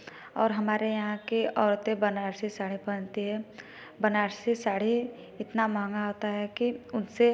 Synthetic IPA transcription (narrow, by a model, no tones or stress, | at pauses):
ɔːɾɦɐmaːɾejɐɦãkeɔːɾt̪ebənaːɾsesaːɽ̤ipəɽ̃t̪iɦɛ | bənaːɾsesaːɽ̤i | ɪt̪namãːŋɡaɦoːt̪aɦɛkiʊnse